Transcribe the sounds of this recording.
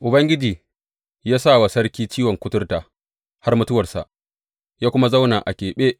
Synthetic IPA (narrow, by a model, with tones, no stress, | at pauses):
ʔʊ˨bɐ˦ŋɡʲɪ˦d͡ʒiː˨ | jaː˦saː˦˨wa˨sɐ˦rkʲiː˦t͡ʃiː˦wɔ˨ŋkʷʊ˦tʊ˦rtaː˨ | ha˦rmʊ˦tʊ˦wɐ˨rsa̰˨ʔ | jaː˦kʷʊ˦ma˦za˦wnaː˨ʔa˨kʲeː˨ɓeː˦ʔ